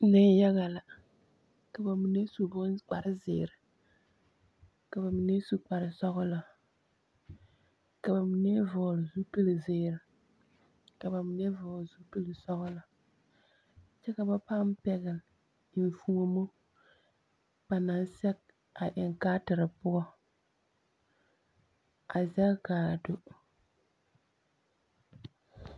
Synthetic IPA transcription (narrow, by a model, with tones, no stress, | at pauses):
nɪ˦jɛ˦ɣa˨la˨ | ka˨ba˨mi˨ne˦su˨bʊ˦nk͡pa˨ɾɪ˦zɪ̰˨ɾɪ˨ | ka˨ba˨mi˨ne˦su˦k͡pa˨ɾɪ˨sɔ˦ɣʊ˦la˨ | ka˨ba˨mi˨ne˦vɔː˨lɪ˨zu˦pi˦lɨ˨zɪː˦ɾɪ˨ | ka˨ba˨mi˨nɛ˦vɔː˨lzu˦pi˦lɨ˨sɔ˦ɣʊ˦la˨ | t͡ʃɛ˦ka˨ba˦pa˦m˦pɛ˦ɣɪ˨l | ɪ˨fu˦o˦mo˦ | ba˨na˨˦n˦sɛ˦k | a˨ʔɪ˨ŋ˨kaː˦tɪ˨ɾɨ˨pʊ˦ɔ˦ | a˨zɛ˦kaː˨do˨